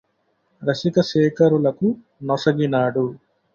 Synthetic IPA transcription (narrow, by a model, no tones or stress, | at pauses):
ɾɐsikɐʃɛːkɐɾulɐku | nɔsɐɡinaːɽu